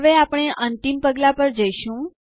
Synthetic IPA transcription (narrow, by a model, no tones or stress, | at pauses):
ʋeapɳ̃eʔənt̪impəɡlapəɾd͡ʒəiʃũ